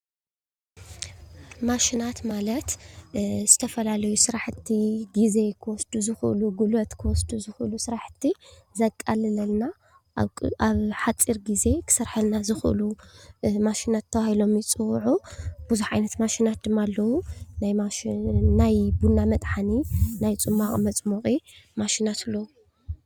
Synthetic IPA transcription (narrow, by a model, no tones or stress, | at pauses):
maʃinat̪malɐt̪ | zɨt̪ʰɐfɐlalɐjusɨɾaħɨt̪ʰːiɡize̞kʰɨwɔsd̪̥uzɨxʔɨluɡulɐt̪kʰɨwɔsd̪uzɨxɨlusɨɾaħt̪ʰːi | zɐkʼːalɨnɐlna | ʔaβħat͡sʼːiɾɡize̞kʰɨ̥sɐɾħɐlnazɨxʔɨ̰lu | maʃinat̪ʰːɐβahilo̞mjɪt͡sʼɨwʕub̥ɨzuħʕajnɐt̪maʃinat̪̚d̪ɨmːaːlːɐwunajmanajbunːamɐt̪ʼħaninajt͡sʼɨmːaχʼmɐt͡sʼmoχʼimaʃinat̪lːɐwu